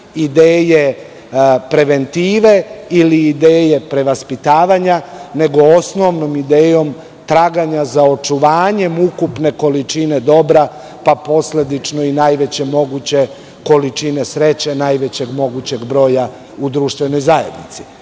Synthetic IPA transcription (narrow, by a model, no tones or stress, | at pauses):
id̪eːje̞ | pɾe̞ʋe̞nt̪iːʋe̞iliːd̪eːje̞pɾe̞ʋaspit̪aːʋaɲane̞ɡo̞osno̞ʋno̞mid̪eːjo̞m | t̪ɾaɡaɲazao̞t͡ʃuʋaːɲe̞mukupne̞ko̞lit͡ʃine̞d̪o̞bɾa | papo̞sle̞d̪it͡ʃno̞inajʋe̞t͡ɕe̞mo̞ɡut͡ɕe̞ | ko̞lit͡ʃine̞sɾe̞t͡ɕenajʋe̞t͡ɕe̞ɡmo̞ɡut͡ɕe̞ɡbɾo̞ːja | ud̪ɾuːʃt̪ʋe̞no̞jzajḛd̪nit̪si̥